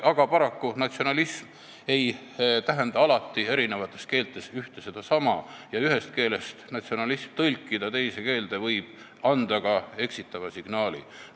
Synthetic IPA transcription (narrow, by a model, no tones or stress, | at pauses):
ɑɡ̥ɑpɑɾɑkːunɑt̪sio̞nɑlism | e̞j | t̪æɦe̞nd̪ɑɑlɑt̪ːie̞ɾine̞vɑt̪ːˑe̞ske̞ːlt̪ːˑe̞syht̪e̞se̞d̪̥ɑsɑmɑjɑyɦe̞st̪̚ke̞ːle̞st̪nɑt̪sio̞nɑlismt̪ɤlʲkːˑid̪̥ɑt̪e̞jse̞ke̞ːld̪̥e̞vɤjb̥ | ɑnd̪ɑɡɑe̞ksit̪ːˑɑvɑsiɡ̥nɑːlḭ